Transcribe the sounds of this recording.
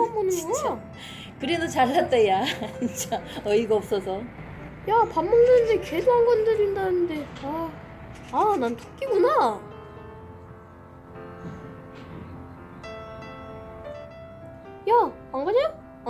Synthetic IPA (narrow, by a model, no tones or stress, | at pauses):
ammonɯoŋɯjo | kɯɾe̞dot͡ɕaɭːat͈ejat͡ɕit͡ɕ͈aʌiɡaʌp̚s͈ʌsʰʌ | japamːondɯindeke̞sʰoɦanɡʌndɯɾindanɯnde̞taː | nantʰo̥k͈iɡuna | ja | ʌɡʌɲajo